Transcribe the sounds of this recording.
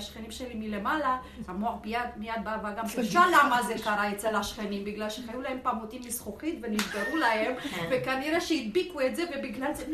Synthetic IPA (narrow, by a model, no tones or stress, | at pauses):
ʃχenimʃelimile̞mala | amoaχbijad̪mijad̪̚bavaɡamkʃalamazekaʁaett͡selaʃχenimbiɡlalʃeχajulahe̞mpamot̪imːisχoχit̪venizɡaʁulahe̞mvekaniʁeʃeid̪̚bikuet̪zevebiɡlale